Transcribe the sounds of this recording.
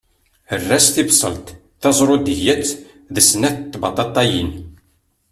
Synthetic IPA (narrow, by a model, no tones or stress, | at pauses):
ərːæsθibsˤə̰lt̪ | θɑzˤɾˤod̪jæt͡sː | ðəsnæθt̪ːbɑt̪ˤɑt̪ˤːɑjin